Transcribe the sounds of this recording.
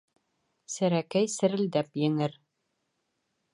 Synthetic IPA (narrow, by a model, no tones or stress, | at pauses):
sæɾækæjsɘ̆ɾɘ̆ld̪æpjɘ̆ŋɘɾ